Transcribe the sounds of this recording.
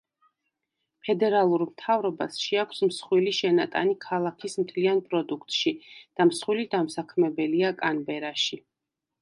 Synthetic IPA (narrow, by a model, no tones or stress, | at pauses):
pʰɛd̪ɛɾalˠuɾmt̪ʰavɾɔbasʃiakʷʰsmsχwiliʃɛnat̪ʼa̰nikʰalˠakʰismt̪ʰlianpʼɾɔd̪ukʰt̪ʼʃid̪̥amsχwilid̪amsakʰmɛbɛliakʼanbɛɾaʃi